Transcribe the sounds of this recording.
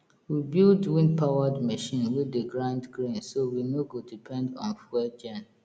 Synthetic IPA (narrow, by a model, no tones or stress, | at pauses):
wibilduwĩnpʰawadmɛʃĩnwieɡɹãndɡɹĩnsowinoɡodipʰɛ̃ndɔ̰̃nfɛd͡ʒɛ̃n